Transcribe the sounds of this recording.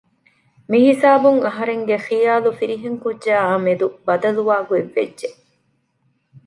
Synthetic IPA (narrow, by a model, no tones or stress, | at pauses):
miɦisaːbuŋɐɦɐɾeŋɡeχijaːlufiɾiɦeŋkudːd͡ʒʒaːɐmed̪ubɐd̪ɐluʋaːɡueʋːḛdʒe